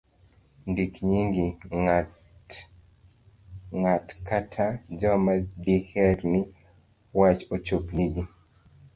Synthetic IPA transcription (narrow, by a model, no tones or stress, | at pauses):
ndikɲiŋɡi | ŋatkatʰad͡ʒɔmadihɛɾnɪ | wat͡ʃot͡ʃopniɡi